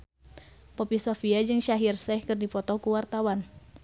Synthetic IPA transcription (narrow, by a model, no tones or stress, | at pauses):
pɔpisofiad͡ʒɨŋʃaɦirsɛhkɨrdipɔt̪ɔkuwart̪awan